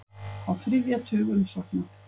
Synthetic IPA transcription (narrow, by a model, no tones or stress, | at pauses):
awθɾɪvjat̪ʰʏːɣʏmsɔ̥t̪nʏ